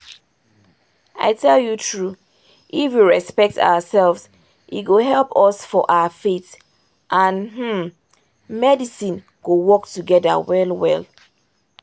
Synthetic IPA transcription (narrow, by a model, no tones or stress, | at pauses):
a̰ɪtʰɛljutʰɹu | ʔifwiɹɛspɛk̚tʰa̰ʊəsɛlvz | ʔḭt̚ɡoɦɛlpɔsfɔʔaʊəfet | ʔãnhm̩ | mɛdisĩn | ɡ̥owɔktuɡɛðə̰wɛlwɛl